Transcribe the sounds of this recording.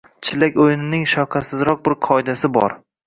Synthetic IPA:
t͡ʃʰɪlakʲojnɪnɪŋʃawqʰɑsɪzɾɒq̚bɪɾqʰɒɪd̪asɪbɒ̰ɾ

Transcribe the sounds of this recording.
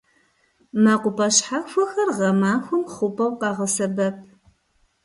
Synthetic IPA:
maːqʷʊpʰʼɐɕħafʷʊxɐrʁɐmaːxʷʊmχʷʊpʼɐwqɑːʁɐsɐbɐp̚ʰ

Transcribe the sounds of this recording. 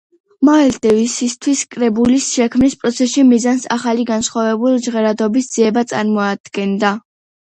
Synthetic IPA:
mald̪ɛvisist̪ʰwiskʼɾɛbulisʃɛkʰmnispʼɾɔt̪sʰɛsʃimizansaχaliɡansχwavɛbulˠd͡ʒʁɛɾad̪ɔbisd̪z̥iɛbat̪sʼaɾmɔad̪̥ɡɛnd̪a

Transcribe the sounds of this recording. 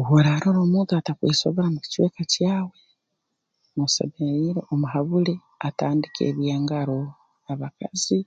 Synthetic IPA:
ɦuɾaːɾoːɾoːmuːnt̪uatakweːsoβoɾamui̥cweːkacjaːwe̞ | mwusḛβeiɾeomuɦaβule | ataːndikḛːβjaːŋɡaɾo | aβakazi

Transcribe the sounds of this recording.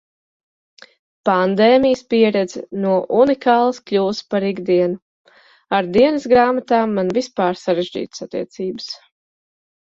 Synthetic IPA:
pand̪ɛːmijəspiɛɾɛd̪znuɔʔunikaːlˠɐskʎʲuːspaɾiɡd̪iɛnu | aɾd̪iɛnɨsɡɾaːmat̪aːmːanvispaːɾsaɾeʒd͡ʒḭːt̪ə̥sat̪ːḭɛt̪siːbəs

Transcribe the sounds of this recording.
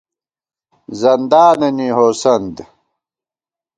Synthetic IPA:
zɐnd̪aːnɐniɦoːsɐnd̪

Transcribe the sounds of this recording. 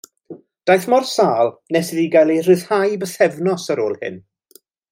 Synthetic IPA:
d̥ajθmɔrsaːlˠnɛsɪðiɡajlˠer̥ɨðhajbəθɛvnɔsəɾo̰ːlˠhɪ̰n

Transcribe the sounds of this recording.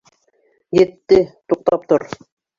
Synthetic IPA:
jet̪ːɘt̪uq̚t̪ɑp̚t̪oɾ

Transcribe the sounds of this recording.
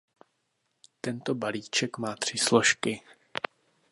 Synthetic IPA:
t̪ɛnt̪o̞baliːt͡ʃɛkmaːt̪r̝̥ɪslo̞ʃkɪ

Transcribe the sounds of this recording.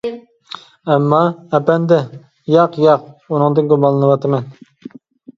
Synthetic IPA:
ɛmːɑɛpɛnd̪ɛ | jɑqjɑqunɨŋd̪ɨnɡubɑlˠːɨnɨwɑt̪ʰɨmɛn

